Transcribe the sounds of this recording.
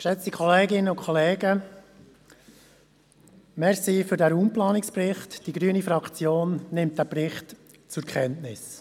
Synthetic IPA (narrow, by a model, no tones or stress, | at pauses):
ʃɛt͡sikʰχɔleːɡɪnəʊkʰɔleːɡə | mɛɾsiːfʏɾdæɾuːmplɑːnɪksprɪχtd̥iɡɾyənifɾɑkt͡sjoːnːɪmt̚d̥æprɪχt | t͡sʊɾkʰχɛntnɪs